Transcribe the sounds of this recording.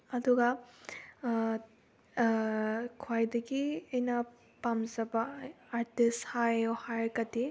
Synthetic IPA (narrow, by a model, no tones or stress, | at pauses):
ɐduɡa | kʰwajdɐɡiɐjnɐ | pamzɐbɐːɾtishajohaɾkɐti